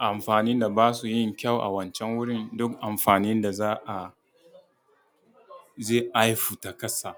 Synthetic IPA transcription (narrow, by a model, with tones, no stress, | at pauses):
ʔa˨mɸaː˨ni˦nda˨baː˦su˨jɪ˦ŋkʲa˦˨wʔa̰˨wɐ˨nt͡ʃɛ˦ŋwʊ˦ɽɪ˦ndʊ˦kʔa˨mɸaː˨nɪ˦nda˨zaː˦ʔa˨ | ze˦˨ʔa˦jɸu˨ta˨˦kɐ˦sa˨